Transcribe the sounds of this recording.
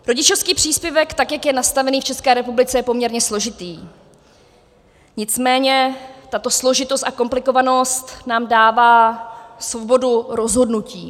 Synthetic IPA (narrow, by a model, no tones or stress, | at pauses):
ɾo̞ɟɪt͡ʃo̞fskiːpr̝̥iːspjɛvɛkt̪akjakjɛnast̪avɛniːft͡ʃɛskɛːɾɛpublɪt͡sɛjɛpo̞mɲɛɾɲɛslo̞ʒɪt̪iː | ɲɪt͡smɛːɲɛt̪at̪o̞slo̞ʒɪt̪o̞st̪ako̞mplɪko̞vano̞st̪naːmdaːvaːsvo̞bo̞duɾo̞zɦo̞dnuciː